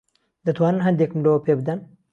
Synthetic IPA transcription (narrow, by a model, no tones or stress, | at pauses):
d̪ət̪ʰwannɦɐnd̪ekmlopʰeb̚d̪an